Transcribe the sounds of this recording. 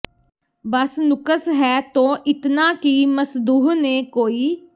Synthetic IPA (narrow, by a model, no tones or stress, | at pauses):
bəsnʊkəsɦɛːt̪õːʔɪt̪naːkiməsd̪uːɦneːkoːiː